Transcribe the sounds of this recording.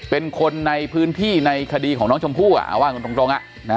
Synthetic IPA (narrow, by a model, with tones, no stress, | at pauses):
pe˧nkʰo˧nːa˧jpʰɯː˦˥nt̪ʰiː˥˩na˧jkʰa˧diː˧kʰɔː˩˦ŋnɔː˦˥ŋt͡ɕʰo˧mpʰuː˥˩ʔa̰˩ʔa̰˧˩waː˥˩nko˧nt̪o˧ŋt̪o˧ŋʔa̰˨˩ʔ | na˦